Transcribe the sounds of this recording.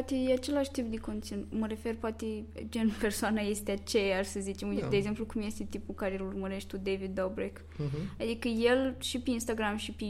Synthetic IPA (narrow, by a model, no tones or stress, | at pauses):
pat̪ejeat͡ʃe̞laʃt̪ip̚d̪eko̞nt̪sinuməɾe̞fe̞rpoat̪e̞d͡ʒenpe̞rsoanaje̞st̪eat͡ʃejarsəzit͡ʃemujt̪ed̪eɡze̞mplukumje̞st̪et̪ipulkaɾejelurməɾe̞ʃt̪ʲt̪ud̪evid̪ːobɾek | ad̪ikəje̞lʃipeinst̪aɡɾamʃipe